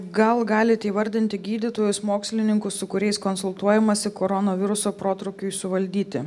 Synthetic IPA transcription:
ɡɐlˠɡɑːlʲɪt̪ʲɛiʋɐɾʲd̪ʲɪnʲt̪ʲɪɡʲiːd̪ʲɪt̪oːjʊsmoːksʲlʲɪnʲɪŋkʊssʊkʊɾʲɛɪskɔnsʊlˠt̪uɔjɛmɐsʲɪkoːɾɔnoːʋʲɪɾʊsoːpɾoːt̪ɾoʊkʲʊɪsʊʋɐlʲd̪ʲiːt̪ʲɪ

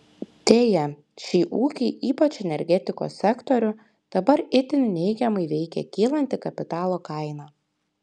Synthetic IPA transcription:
t̪ʲeːjɛ | ʃʲiːʔuːkʲɪɪʔiːpɐt͡ʃɛnʲɛɾʲɡʲɛt̪ʲɪko̰ːsʲːɛkt̪ɔɾʲʊ | d̪̥ɐbɐɾɪt̪ʲɪnʲnʲɛɪɡʲɛmɐɪʋʲɛɪkʲɛ̰kʲiːlˠɐnʲt̪ʲɪkɐpʲɪt̪ɑːlˠoːkɐɪnɑː

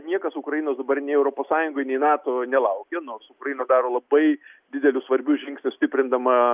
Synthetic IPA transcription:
nʲiɛkɐsʊkɾɐjinoːsd̪ɐbɐrnʲɛɪɛʊɾoːpoːssɑːjʊŋɡoːjnʲɛɪnɑːt̪oːnʲɛlˠɐʊkʲɛnoːrsʊkrɐjinɐd̪ɑːɾoːlˠɐbɐɪd̪ʲɪd̪ʲɛlʲʊsʋɐɾʲbʲʊːʒʲɪŋksʲnʲʊsʲt̪ʲɪpʲɾʲɪnd̪ɐmɐ

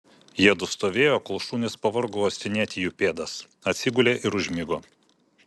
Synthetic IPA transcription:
jiɛd̪ʊst̪oːʋʲeːjoːkɐlˠʃuːnʲɪspɐʋɐɾɡooːsʲɪnʲɛːt̪ʲɪjupʲeːd̪ɐs | ɐt̪ʲsʲɪɡʊlʲeːʔɪɾʊʒʲmʲɪɡoː

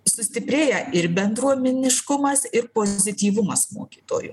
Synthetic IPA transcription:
sʊsʲt̪ʲɪpʲɾʲeːjɛɪɾbʲɛnd̪ɾuɔmʲɛnʲɪʃkʊmɐsɪɾpoːzʲɪt̪ʲiːʋʊmɐsmo̰ːkʲiːt̪o̰ːjʊ̰

